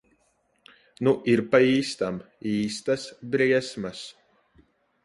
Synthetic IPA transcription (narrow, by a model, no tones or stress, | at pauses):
nuʔiɾpaiːst̪am | iːst̪asbɾiɛsmas